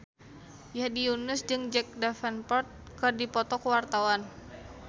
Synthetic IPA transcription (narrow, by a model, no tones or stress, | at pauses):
jadiunəsd͡ʒɨŋd͡ʒɛk̚dafɛnpɔrt̪̚ | kɨrdipɔt̪ɔkəwart̪awan